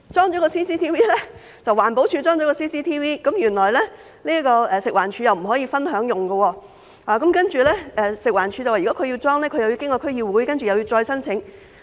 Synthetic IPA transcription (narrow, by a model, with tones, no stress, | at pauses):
t͡ʃɔː˥ŋt͡ʃɔ˨˥kɔː˧siː˥siː˥t̪ʰiː˥wiː˥lɛ˥ | t͡sɐ˨waː˨˩npo˨˥wt͡ʃʰyː˨˧t͡ʃɔː˥ŋɔː˨˧˥kɔː˧siː˥siː˥t̪ʰiː˥wiː˥kɐ˨˥mjyː˨˩nlɔː˨˩jlɛː˥ | liː˥kɔː˧ɛː˨˧sɪ˨kwaː˨˩nt͡ʃʰyː˨˧jɐ˨wm̩˨˩ɦɔː˨˥jiː˧fɐ˥nɦœː˨˥ŋjʊ˨˩ŋɡə˧wɔː˧ | aː˨˩kɐ˨˥mkɐ˥nt͡ʃyː˨˩lɛː˥ʔɛ˨˧sɪ˨k̚waː˨˩nt͡ʃʰyː˨˧t͡sɐ˨waː˨˩˨ɔ˨˥kʰɵ˨˧ɥji˧t͡ʃɔː˥ŋlɛː˥kʰɵ˧jɐ˨˧wji˧kɪ˥ŋkɔː˧kʰɵ˥ɥjiː˧wuː˨˥jkɐ˥nt͡ʃy˨jɐ˨˧wjiː˧wt͡ʃɔː˧jsɐ˥nt͡sʰɪ˨˥ŋ